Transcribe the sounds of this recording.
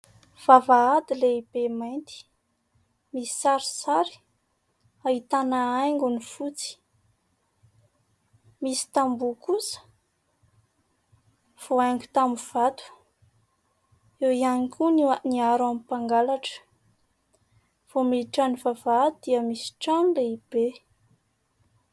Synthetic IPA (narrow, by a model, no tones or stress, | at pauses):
v̥avaad̪ileibemajnt̪i̥ | misi̥saɾi̥saɾi̥ | aɦit̪anaajŋɡunifut͡si̥ | misi̥t̪ambukusə̥ | v̥oajŋɡu̥t̪amuv̥at̪u̥ | ewianikʰʲunaniaɾamipaŋɡalaʈ͡ʂə̥ | v̥omiiʈ͡ʂanivavad̪̥iəmisi̥ʈ͡ʂanleib̥e